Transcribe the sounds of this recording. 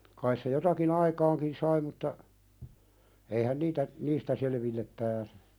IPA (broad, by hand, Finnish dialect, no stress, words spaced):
kɑis se jotɑkin ɑikɑːŋkin sɑi mutːɑ eihæn niːtæ niːstæ seleʋilːep pæːse̥